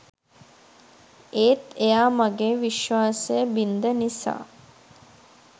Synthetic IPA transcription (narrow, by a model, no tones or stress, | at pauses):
eːt̪ejaːmaɡeːʋiʃʋaːsəjəbind̪ənisa̰ː